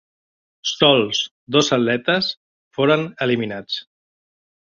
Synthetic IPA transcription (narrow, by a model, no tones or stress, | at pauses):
st̪ɔlˠs | d̪ɔzəllɛt̪əs | foɾənəliminat͡s